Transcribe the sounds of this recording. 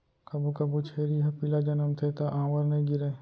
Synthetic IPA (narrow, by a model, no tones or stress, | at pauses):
kɐbukɐbut͡ʃʰeːɾiɦɐpilad͡ʒɐnəmt̪ʰet̪aʔãːʋəɾnɐĩɡɪɾe